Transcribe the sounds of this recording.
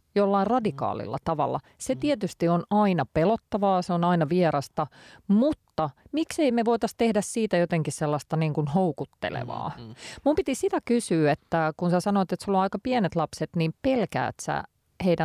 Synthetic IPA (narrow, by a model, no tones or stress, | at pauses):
jolːɑirɑdikɑ̰ːlḭlːɑ̰t̪ɑʋɑ̰lːɑ̰ | set̪iɛt̪yst̪ionɑinɑpelot̪ːɑʋɑːseonɑinɑʋieɾɑst̪ɑmut̪ːɑmikseimeʋoit̪ɑst̪ehdæssiːt̪æjot̪eŋkisselːɑst̪ɑniːŋkunhoukut̪ːḛlḛʋɑ̰ːmumpit̪isit̪ækysyːet̪ːækunsæsɑnoːt̪et̪solːoɑikɑpiɛnet̪lɑpset̪nimpelkæ̰ːt̪sæ̰ | heidæ